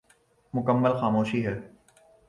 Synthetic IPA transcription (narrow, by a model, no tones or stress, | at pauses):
mʊkəmːəlxaːmoːʃiɦɛː